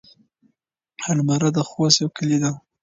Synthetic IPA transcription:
halmaɾad̪axosjawkʰəlid̪a

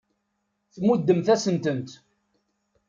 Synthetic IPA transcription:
θmud̪ːəmθæsənt̪ənt̪

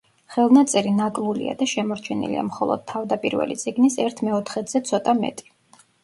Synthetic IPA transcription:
χɛlˠnat̪sʼɛɾinakʼlˠulḭa̰d̪aʃɛmɔɾt͡ʃʰɛnḭlḭa̰mχɔlˠɔ̰d̪̥̚t̪ʰːavd̪apʼiɾvɛ̰lḭt̪sʼiɡnisɛɾt̪ʰmɛɔt̪ʰχɛt̪z̥ɛt̪sʰɔt̪ʼamɛ̰t̪ʼi̥

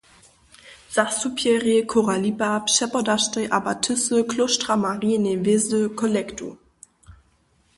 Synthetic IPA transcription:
z̥asupʰjɛʁjəkʰoʁalibapʃɛpɔdaʃtʁeʔabatʰʏsəkʰloʃtʁamaʁinevɪzəkʰɔlɛktṵ

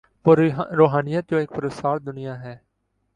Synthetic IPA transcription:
poɾɾoːɦaːnɪjət̪̚d͡ʒõːɪk̚pəɾəsaːɾd̪ʊnɪjaːɦɛː

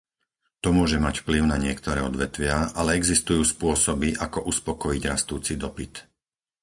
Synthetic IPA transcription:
t̪ɔmʊɔʒɛmacfpliʊnaɲɪɛkt̪ɔɾɛːɔd̪ʋɛt̪ʋɪaʔalɛɛɡzist̪ujuːspʊɔsɔbiʔakɔʔuspɔkɔjiɟɾast̪uːt͡sid̪ɔpit̪

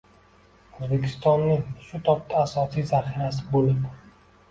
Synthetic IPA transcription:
ozbekʲʰɪst̪ɒnːɪʃʊt̪ʰɒp̚t̪ʰaːsɒsijzaχiɾas̬ɪbolɪd

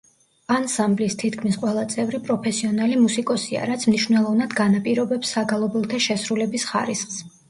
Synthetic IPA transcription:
ansamblist̪ʰit̪kʰmisqʼwɛlˠat̪sʼɛvɾipʼɾɔpʰɛsiɔnalimusikʼɔsia̰ɾat̪sʰmniʃwnɛlˠɔvnad̪ɡanapʼiɾɔbɛpsːaɡalˠɔbɛlˠt̪ʰɛʃɛsɾulɛbisχa̰ɾisχs

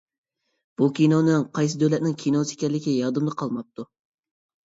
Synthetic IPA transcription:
b̥ukʲinonɪŋqʰɑjs̬ɨd̪ølɛt̪̚nɪŋkʲʰinose̥kʲɛlːɪkʲijɑd̪ɨmd̪əqʰɑlˠmɑp̚t̪ʰu

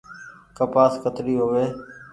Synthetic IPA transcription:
kəpaːskət̪ɾiːɦoːʋeː

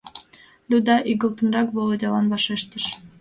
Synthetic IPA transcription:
lʲud̪ɑʔiɣə̆lˠt̪ɤ̆nɾɑkβolˠod̪ʲɑlɑnbɑʃeʃt̪ə̆ʃ

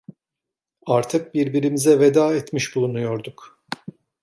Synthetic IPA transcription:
aɾt̪ʰɯk̚biɾbiɾimizɛved̪aːɛt̪miʃbulˠunujo̞ɾd̪uk

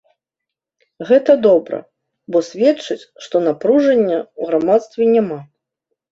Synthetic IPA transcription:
ɣɛt̪ɐd̪ɔbɾɐ̰ | bɔsʲvʲɛt͡ʂɨt͡sʲʂt̪ɔnapɾuʐɐnʲːɐuɣɾamat̪st̪vʲɛnʲama

